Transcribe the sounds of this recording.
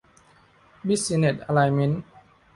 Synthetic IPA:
bi˦˥si˧ne˨˩t̪̚a˧la˧jmi˧˦˥n

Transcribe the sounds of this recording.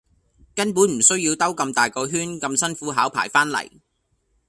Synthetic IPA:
kɐ˥npuː˨˥nm̩˨˩sɵ˥ɥjiː˧wt̪ɐ˥wkɐ˧mt̪aː˨jkɔː˧ɦyː˥nkɐ˧msɐ˥nfuː˨˥ɦaː˨˥wpʰa̰ː˨˩jfaː˥nlɐ̰˨˩j

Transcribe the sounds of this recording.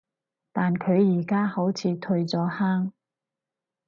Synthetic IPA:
t̪aː˨nkʰɵ˨˧ɥjiː˨˩kaː˥ho˨˥wt͡sʰiː˨˧t̪ʰɵ˧ɥt͡sɔː˨˥haː˥ŋ

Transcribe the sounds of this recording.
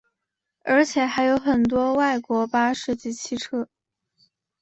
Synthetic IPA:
ə˞˧˥t͡ɕʰjɛ˨˩xa˧˥ɪjo˧˥ʊxə˨˩nt̪̬wɔ˥wa˥˩ɪkwɔ˧˥pa˥ʂ̩˥˧t͡ɕi˥˩t͡ɕʰi˥˧ʈ͡ʂʰɤ˥˩

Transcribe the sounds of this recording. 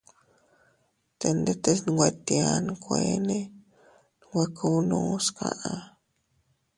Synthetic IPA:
t̪e˨nd̪e˦t̪e˦sn˧ɡʷwe˧t̪ja˧˨nkʷe˧˨ne˦ | nɡʷe˧kʰu˦˧wnu˦skʰa˧ʔa˧

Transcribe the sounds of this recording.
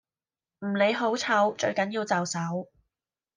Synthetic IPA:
m̩ː˨˩ne˨˧jɦo˨˥wt͡sʰɐ˨˥wt͡ʃɵ˧ɥkɐ˨˥njiː˧wt͡sɐ˨wsɐ˨˥w

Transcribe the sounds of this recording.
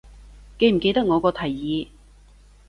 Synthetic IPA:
ke˧jm̩˨˩ke˧jt̪ɐ˥k̚ŋɔː˨˧kɔː˧t̪ʰɐ˨˩jːiː˨˧

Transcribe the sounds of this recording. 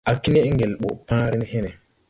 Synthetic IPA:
a˨ki˦ne˦ŋɡe˨lɓo̰˨pãː˦ɾi˦n˦he˦ne˨

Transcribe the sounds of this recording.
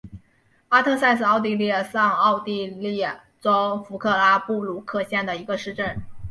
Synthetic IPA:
a˥t̪ʰɤ˥˧sa˥˧ɪsɹ̩˧ɑ˥˧ʊt̪i˥˧li˥˩˧sɑ˥˧ŋɑ˥˧ʊt̪i˥˧li˥˩ | ʈ͡ʂo˥ʊfu˧˥kʰɤ˥˩la˥pu˥˩lu˥˧˩kʰɤ˥˧ɕjɛ˥˩nd̪ə˩i˧˥ɡə˧ʂɻ̩˥˧ʈ͡ʂə˥˩n

